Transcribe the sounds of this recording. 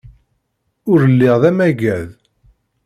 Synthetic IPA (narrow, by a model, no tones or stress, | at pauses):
ʊɾəlːiʁðæmæɡæð